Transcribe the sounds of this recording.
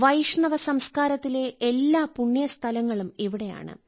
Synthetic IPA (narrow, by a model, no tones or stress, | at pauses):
ʋɐjʂɳɐʋɐsɐmskaːɾɐt̪ːile̞elːaːpuɳːjɐst̪ʰɐlɐŋːɐɭumiʋiɽe̞ja̰ːɳɨ̰